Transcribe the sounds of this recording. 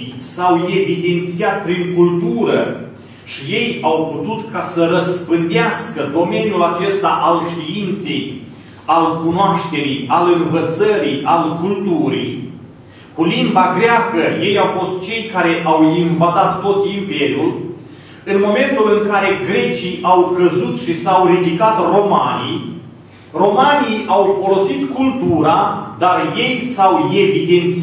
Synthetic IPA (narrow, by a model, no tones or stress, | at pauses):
sawe̞vid̪e̞nt̪siat̪̚pɾiŋkult̪uɾə̰ | ʃije̞jawput̪ut̪kasəɾəspɨnd̪easkəd̪o̞me̞nʲjulat͡ʃe̞st̪aʔalʃt̪iint̪se̞j | alkunoaʃt̪e̞ɾijalɨnvət̪səɾialkult̪uɾḭj | kulimbaɡɾeakəje̞jawfo̞st̪̚t͡ʃe̞jkaɾe̞ʔawinvad̪at̪ːo̞t̪impe̞ɾʲjul | ɨnmo̞me̞nt̪ulɨŋkaɾe̞ɡɾe̞t͡ʃiʔawkəzut̪ʃisawrid̪ikat̪ro̞ma̰nḭ | ro̞maniawfo̞lo̞sit̪kult̪uɾad̪arje̞jsawe̞vid̪e̞nt̪si